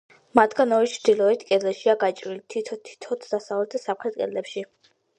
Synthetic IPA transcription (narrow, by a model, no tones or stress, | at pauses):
mat̪ʰɡanɔɾit͡ʃʰɾd̪̥ilˠɔɛt̪ʰkʼɛd̪zɛʃiaɡat͡ʃʼɾilit̪ʰit̪ʰɔt̪ʰi̥t̪ʰɔt̪ʰd̪asavlɛt̪̚ʰd̪asamχʰɾɛt̪̚ʼkʼɛ̰d̪lɛpʃi